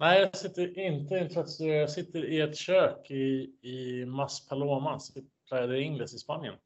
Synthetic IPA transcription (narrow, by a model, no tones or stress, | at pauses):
nɛɪjɑsɪt̪ːəɾʔɪnt̪əɪnt̪ʰɛt̪sɛjɑsɪt̪ːəɾɪɛt̪ɕøːkɪː | maspʰaloːmasɪpʰlajad̪əɪŋːləsɪspanjə̰n